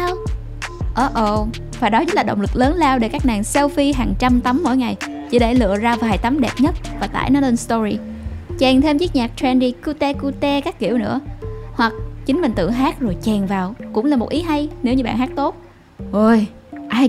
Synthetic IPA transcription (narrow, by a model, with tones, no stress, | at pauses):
w | ʔəː˨˦ʔo˧˩ | vaː˨˩ɗɔ˨˦t͡ɕə˦˥t̚laː˨˩ɗə̰˧˨ŋ͡mlɨ˨˩k̚ləː˨˦nlaː˧wɗe˧˩kaː˦˥k̚naː˨˩ŋsɛ˧wfi˧ɦaː˨˩ŋt͡ɕa˧mt̪a˨˦mːo̰˧˨jŋa˨˩j | t͡ɕḭ˧˩ɗe˧˩lɨ̰˧˨əzaː˧vaː˨˩jt̪a˨˦mɗɛ˨˩p̚ɲə˦˥t̚vaː˨˩t̪a̰ː˧˩jnɔ˨˦le˧nst̪ɔ˧zi˧ | t͡ɕɛ˨˩ŋt̪ʰe˧mt͡ɕi˦˥k̚ɲaː˨˩k̚t̪ɾɛ˧nɗi˧kɨ˧t̪e˧ku˧t̪ɛ˧kaː˦˥kːḭ˧˩əwnɨ̰˧˥əhwa˨˩k̚t͡ɕï˨˦ŋ̟mï̟˨˩t̪ɨ̰˧˨ɦaː˦˥k̚zo˨˩jt͡ɕɛ˨˩ŋvaː˨˩wkʊ̰˧˥ŋ͡mlaː˨˩mo˨˩t̚ʔi˨˦ɦa˧jne˨˦wɲɨ˧ɓa̰ː˧˨nhaː˦˥k̚t̪o˦˥t̚ | ʔəː˧jʔaː˧j